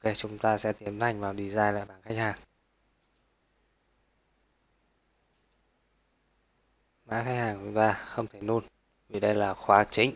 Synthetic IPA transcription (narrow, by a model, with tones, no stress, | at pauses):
ke˧˩t͡ɕʊ˨˦ŋ͡mt̪aː˧sɛ̰˧˥t̪i˨˦əmza˨˧˩jŋ̟vaː˨˩wɗi˧˩zaː˧jla̰ː˧˨jɓaː˧˩nxa˦jk̟̚haː˨˩ŋ | ma̰ː˧˥xa˦˥k̚haː˨˩ŋt͡ɕʊ˨˦ŋ͡mt̪aː˧xə˧wŋ͡mt̪ʰe˧˩nu˧n | vi˨˩ɗə˧jlaː˨˩xwaː˨˦t͡ɕï˨˦ŋ̟